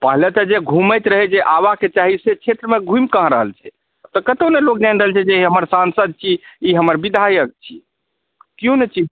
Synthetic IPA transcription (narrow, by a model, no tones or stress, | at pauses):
pəɦlət̪əd͡ʒeɡʱuməjt̪ɾəɦɛd͡ʒeʔaβaket͡ʃaɦiset͡ʃʰet̪ɾəmeɡʱujmkəɦɾəɦəlt͡ʃʰɛ̰ | t̪ɔkət̪onelokd͡ʒajnɾəɦəlt͡ʃʰɛd͡ʒeɦəməɾsansəd̪̚t͡ʃʰiiɦəməɾbid̪ʱajək̚t͡ʃʰḭ | kjõnet͡ʃi